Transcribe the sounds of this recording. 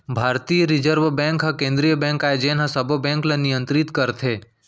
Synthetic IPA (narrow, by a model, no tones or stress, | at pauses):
bʱaɾt̪ijəɾid͡ʒəɾʋbɛ̃ŋkɦəkẽnd̪ɾijəbɛ̃ŋkajd͡ʒenasəbʱəbɛ̃ŋklenijə̃nt̪ɾit̪kəɾt̪ʰe